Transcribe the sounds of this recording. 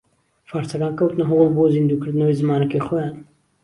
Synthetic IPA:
faːɾsɐɡaːnkɐwt̪nɐɦʊwlboːzind̪uːkɨɾd̪ɨnɐweːzɨmaːnɐkeːxɔjaːn

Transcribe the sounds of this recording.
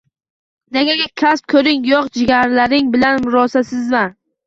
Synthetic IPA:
naɡʲaɡʲakʲʰasp̚kʰɵɾɪŋjɒqd͡ʒɪɡʲaɾlaɾɪŋbɪlanmʊɾɒsasɪzman

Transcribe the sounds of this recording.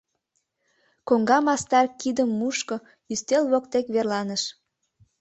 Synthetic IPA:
koŋɡɑmɑst̪ɑrkid̪əmːuʃko | yst̪elβokt̪ekβerlɑnəʃ

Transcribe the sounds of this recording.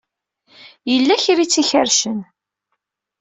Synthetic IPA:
jəlːæçɾit͡sːiçəɾʃən

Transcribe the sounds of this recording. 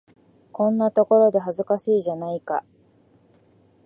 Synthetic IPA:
kõ̞nːat̪o̞ko̞ɾo̞d̪e̞ɦazɨkasɨiʑanaika̰

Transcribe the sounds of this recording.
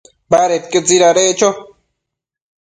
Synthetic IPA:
baɾet̪̚kət͡siɾaɾet͡ʃo

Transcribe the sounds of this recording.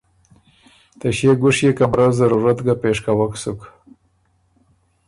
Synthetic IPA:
t̪aɕjeɡʊʂjekamɾazaɾuɾat̪ɡapeʂkawaksʊk

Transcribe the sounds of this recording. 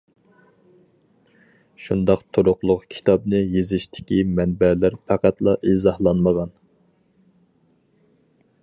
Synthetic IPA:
ʃund̪ɑqt̪ʰoɾʊqlˠʊqkʲʰi̥t̪ʰɑpnɨjezɪʃt̪ʰɪ̥kʲimɛnbɛlæɾpʰæqʰæt̪lˠɑʔizɑhlˠɑnməʁɑn

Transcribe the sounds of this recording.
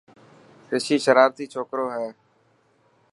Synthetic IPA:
kɪʃiːʃəɾaːɾt̪iːt͡ʃʰoːkɾõːɦɛː

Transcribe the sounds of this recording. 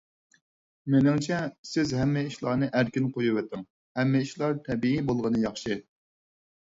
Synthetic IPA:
menɪŋt͡ʃʰɛsɪzɦɛmːɪiʃlˠɑɾnɨʔæɾkʲinqʰojuwɛt̪ʰːɪŋ | hɛmːɪiʃlˠɑɾt̪ʰɛbiibolˠʁənɨjɑχʃɨ

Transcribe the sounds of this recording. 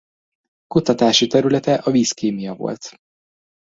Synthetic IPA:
kut̪ɒt̪aːʃit̪ɛɾylɛt̪ɛʔɒviːskeːmijɒvo̞̰lt̪

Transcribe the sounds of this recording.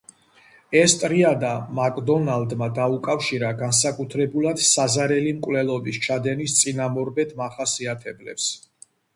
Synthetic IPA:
ɛst̪ʼɾiad̪amakʼd̪ɔnald̪mad̪aukʼafʃiɾaɡansakʼut̪ʰɾɛbulˠad̪̥sazaɾɛlimkʼwvlɛlˠɔbist͡ʃʰad̪ɛnist̪sʼinamɔɾbɛt̪ʰmaχasiat̪ʰɛblɛ̰ps

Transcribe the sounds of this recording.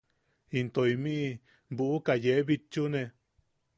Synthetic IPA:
int̪oimĩʔ | buʔukajeβit͡ʃunẽ

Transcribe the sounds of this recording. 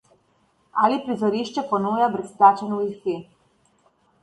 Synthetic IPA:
alipɾizɔɾiʃt͡ʃɛpɔnuːjabɾɛsplaːt͡ʃɛnɔist̪i

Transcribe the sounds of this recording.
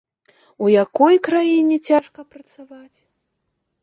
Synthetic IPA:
ujakɔjkɾajinʲɛt͡sʲaʂkɐpɾɐt̪savat͡sʲ

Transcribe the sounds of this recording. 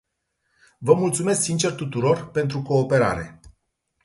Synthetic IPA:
vəmult̪sume̞sksint͡ʃe̞rt̪ut̪uɾo̞rpe̞nt̪ɾuko̞ːpe̞ɾa̰ɾe̞̰

